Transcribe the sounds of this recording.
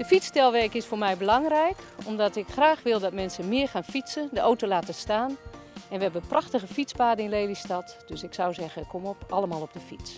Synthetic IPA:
d̥əfitstɛlˠʋɛrkɪsfʊːrmɛjbəlɑŋrɛjkɔmdɔtɪkxraːxʋɪlˠdɔtmɛnsəmɪərxaːnfisəndəʔowtolaːtəstaːn | ɛnʋəɦɛbənprʔɑxtəɣəfispaːdənɪnlejlistɑtd̥øsɪksawzɛɣəkʰːɔmɔpɑlˠəmaːlˠɔb̚dəfits

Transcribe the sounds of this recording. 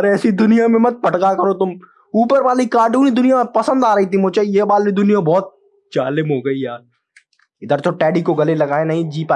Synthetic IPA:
ɐɾɛːsid̪ʊnijamẽmɐt̪̚pɐʈkakɐɾot̪ʊm | uːpəɾʋaːlikaːɾʈuːnid̪ʊnijapɐsə̃nd̪aːɾɐɦit̪̬ʰimʊt͡ʃejeːbaːllid̪ʊnijabɔːt̪̚ | d͡ʒaːlɪmɦoɡɐijaːɾ | ɪd̪əɾt̪oʈɛːɖikoɡɐlelɐɡaːenɐɦĩd͡ʒiːpa

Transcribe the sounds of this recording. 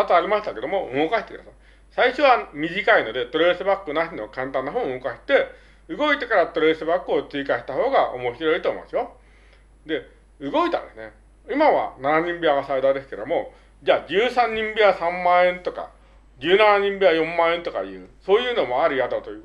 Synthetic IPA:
at̪oaɾʲimaɕit̪ake̞d̪omo̞ɯ̟ŋo̞kaɕit̪ekɯ̟d̪asa | saiɕo̞βamʲiʑikaino̞d̪e̞t̪o̞ɾeɾɯsɨbakːɯnaɕinokãnt̪ãnːaɦõːɯŋokaɕi̥t̪e̞ | ɯ̟ɡo̞it̪e̞kaɾat̪o̞ɾe̞ɾɯsɨbakːɯo̞t͡sɨikaɕi̥t̪aho̞ːɡaʔo̞̰mo̞ɕiɾo̞it̪o̞ḭma̰sɨjo̞ | d̪e̞ | ɯ̟ɡo̞it̪ã̰nd̪esɨne̞ | imaβa̰nanaɲ̟ĩmbʲiaɡasaid̪aːd̪e̞sɨ̥ke̞ɾd̪omo̞ | d͡ʑaːd͡ʑɨːsãɲ̟ɲĩmbʲiasãmːãːẽ̞nt̪o̞ka̰ | d͡ʑɨːnanaɲ̟ĩmbʲiajõ̞mːãːẽ̞nt̪o̞ka̰iɯ̟̰ːso̞ːjɯ̟ːno̞mo̞aɾʲiɡat̪ot̪ojɯː

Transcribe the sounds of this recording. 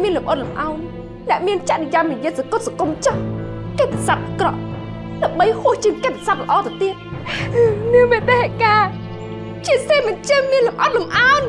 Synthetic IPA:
miənlumʔət̪̚lumʔaɔn | nɛ̆əʔmiənt͡ɕaʔɗijamnijiət̪sakot̪̚sakumt͡ɕɔhket̪ʰesap̚ʔkrɑ̰ʔ | ɗaəmɓəjhŏəht͡ɕiəŋket̪ʰːesap̚lə̆ʔɑːt̪at̪iət̪̚ | niəŋmit̪aɦɛʔkaː | t͡ɕiəseːmɨnt͡ɕəŋmiənlumʔət̪̚lumʔaɔn

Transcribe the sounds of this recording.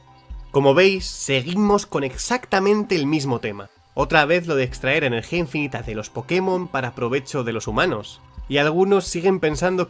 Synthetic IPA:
ko̞mo̞βe̞jsːe̞ɣimo̞sko̞ne̞ksakt̪amẽ̞nt̪e̞ːlmizmo̞t̪e̞ma̰ | o̞t̪ɾaβ̞e̞θlo̞ðe̞ːkst̪ɾae̞ɾaene̞ɾxiaiɱfinit̪aðe̞lo̞spo̞kemõ̞mpaɾapɾo̞β̞e̞t͡ʃo̞ðe̞lo̞sumano̞s | ialɣ̞uno̞sːiɣ̞e̞mpe̞nsand̪o̞

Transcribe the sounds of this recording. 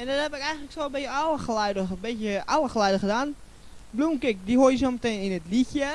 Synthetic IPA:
ɛndɔthɛpɪkɛjɣəŋ̩tləksoəbɪəaləxlɛdəbɪtjəʔaləxlɛjdəxədaːn | blumkɪk̚dihoːjəsoməteːninətliçjə

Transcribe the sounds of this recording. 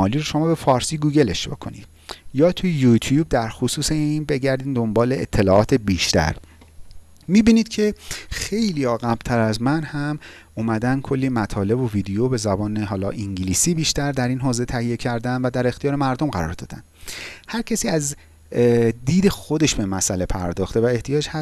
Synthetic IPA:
ɒːliːɾoʃo̞mɒːbe̞fɒːɾsiːɡuːɟe̞le̞ʃbḛkʰo̞̰nḭd̪̥ | jɒːt̪ʰujejut̪ʰjuːb̚d̪æɾxosuːseiːnbe̞ɟæɾd̪iːnd̪o̞mbɒːleḛt̪ʰːe̞lɒːʔɒːt̪ʰe̞biːʃt̪æ̰ɾ | miːbiːniːd̪̥̚cʰe̞xe̞jliːɒːɣæb̥̚t̪ʰæɾæzmænhæm | umæd̪æn̚kʰo̞lːiːmæt̪ʰɒːle̞bo̞viːd̪ejobe̞zæbɒːneɦɒːlɒ̰ːʔiŋɟiliːsiːbiːʃt̪æɾd̪æɾiːnɦɒːze̞t̪ʰæhije̞cʰæɾd̪ænd̪væd̪æɾe̞xt̪ijɒːɾemæɾd̪o̞mɢæɾɒ̰ːɾd̪ɒ̰ːd̪æ̰nd̪hæɾcʰæsiːæz | d̪iːd̪e̞xo̞d̪e̞ʃbe̞mæsæle̞pʰæɾd̪ɒːxt̪e̞væeht̪ʰijɒːd͡ʒhæ

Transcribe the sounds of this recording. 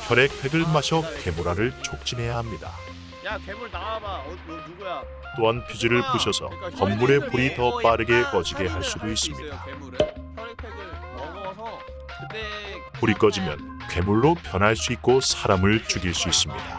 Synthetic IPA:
kʰjʌɾe̞kʰwe̞ɡɯɭmaɕʰʌke̞muɾaɾɯɭt͡ɕʰok̚t͡ɕ͈inɦe̞jaɦamɲida̰ | t͈oɦanpʰid͡ʑiɾɯɭpuɕʰʌsʰʌ̰kʌmːuɾe̞puɾitʌp͈aɾɯɡe̞kʌd͡ʑiɡe̞ɦaɭs͈udois͈ɯmɲid̥a | puɾik͈ʌd͡ʑimjʌ̰n | kwe̞muɭːopjʌnɦaɭs͈uik̚k͈osʰaɾamɯɭt͡ɕuɡiɭs͈uis͈ɯmɲḭd̥a

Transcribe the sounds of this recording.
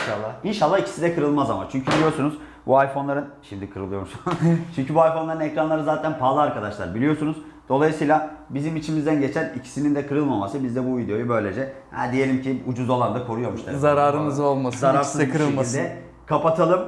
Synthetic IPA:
ʃalˠːainʃalˠːaicʰi̥sid̪ɛkʰɯɾɯlˠmazama̰t͡ʃʰyɲcʰybilʲijo̞ɾsunuz̥ | buajfo̞nlˠaɾɯnʃimd̪ikʰɯɾɯlˠɯjo̞must͡ʃʰyɲcʰybuajfonˠaɾɯnecɾanlˠaɾɯnzaːt̪ʰænpʰaːlˠɯaɾkʰad̪aʃlˠa̰ɾbilʲijo̞sunuz | d̪̥o̞lˠajɯsɯːjlʲˠabizimit͡ʃʰimizd̪ænɟe̞t͡ʃʰænicʰi̥sinind̪ɛkʰɯɾɯlˠmamasɯbizd̪ɛbuvid̪eo̞jubø̞jlʲe̞d͡ʒɛhɛ̰d̪ije̞lʲimcʰiud͡ʒuzo̞lˠand̪akʰo̞ɾujo̞ɾmuʃt̪ʰazaɾaːɾɯmɯzolˠmaszaɾaɾszɛkʰɯɾɯlˠmaid̪ɛ | kʰapat̪ʰalˠɯm

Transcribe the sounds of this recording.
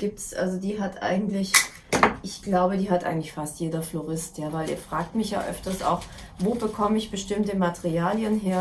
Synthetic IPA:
ɡ̥iːp̚tsʔa̰lzodiːɦatʰʔa̰ɪɡŋ̩tlɪç | ʔɪçɡ̥laʊbədiːɦatʔa̰ɪɡŋ̩tlɪçfastjeːdɐfloʁɪstjaːvaɪlḭːɐfʁ̥aːk̚tmɪçja̰ːʔœ̰ftɐsa̰ʊx | voːbəkʰɔməɪçb̥əʃtɪmtəmatəʁiaːljənɦeːɐ

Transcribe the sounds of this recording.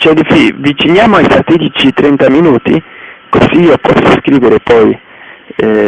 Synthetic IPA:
t͡ʃɛd̪ifivit͡ʃinjaːmoajfat̪ːid̪it͡ʃit̪ɾɛnt̪aminuːt̪ḭkoziiːopɔsːoskɾiːveɾepɔj | ɛ

